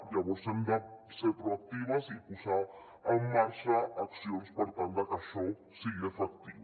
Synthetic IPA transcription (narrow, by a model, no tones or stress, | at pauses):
jaβosend̪asepɾoak̚t̪iβasipusa | amaʃaaksjonspoɾt̪ãnd̪akaʃõ | silefakt̪iβ